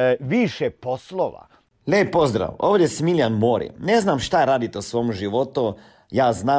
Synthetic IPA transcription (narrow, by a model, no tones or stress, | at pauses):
ʋiːʃɛposloʋa̰ | lepːozd̪ɾa̰wo̰ːʋd̪jesmiljanmoːɾḭneznamʃt̪aɾaːd̪it̪eosʋoːmʒiʋot̪u | jaːznaː